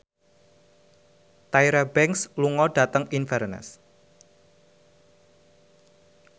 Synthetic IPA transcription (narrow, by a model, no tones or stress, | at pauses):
t̪aiɾabɛŋksluŋɔɖ̥a̤t̪əŋinfɛrnə̰s